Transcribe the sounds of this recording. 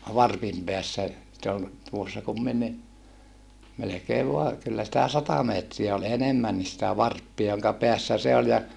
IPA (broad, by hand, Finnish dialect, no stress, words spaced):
ʋɑrpim peæsːæ se ol tuosːɑ kumːinːi melekeːʋ ʋoɑ kylːæ sĭtæ sɑtɑ meːtriæ ol enemːænːis sĭtæ ʋɑrpːiɑ joŋkɑ peæsːæ se olʲ jɑ